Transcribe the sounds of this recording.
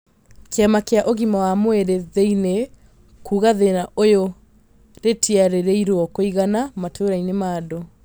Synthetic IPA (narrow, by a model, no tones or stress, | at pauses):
keamakeaʔoɣimawamoeɾeðeine | kuːɣaðeɾaʔojo | ɾetiaɾeɾeiɾwɔkoiɣanamatʰoɾainemaːdo